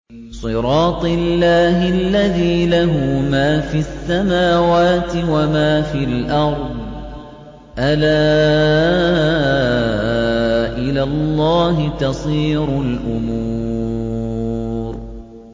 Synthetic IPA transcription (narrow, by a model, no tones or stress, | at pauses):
sˤɨɾˤɑːt̪ˤɪlːaːɦɪlːaðiːlaɦʊmaːfiːʔasːamaːwaːt̪ɪwamaːfiːlʔɑɾˤd̪ˤ | ʔalaː | ʔɪlaːlˤːɑːɦɪt̪ɑsˤiːɾʊlʔʊmuːu | ɾ